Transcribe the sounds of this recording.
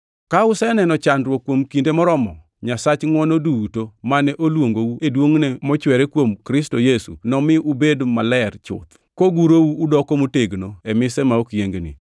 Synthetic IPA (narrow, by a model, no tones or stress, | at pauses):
kaʊsɛnɛnɔt͡ʃandɾwokːwomkindemɔɾɔmɔ | ɲasat͡ʃŋwɔnodutomanɛʔolwoŋɡowuedwoŋnɛmɔt͡ʃwɛɾekwomkɾɪstojesunɔmɪʔʊbedmalɛrt͡ʃʊ̰t̪ | koɡuɾowuːdɔkomoteɡnoɛmɪsɛmaokjeŋɡnɪ̰